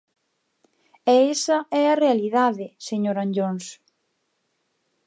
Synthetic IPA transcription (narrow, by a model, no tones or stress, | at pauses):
ɛesɐɛɐrealiðaðɪseɲoɾanʎons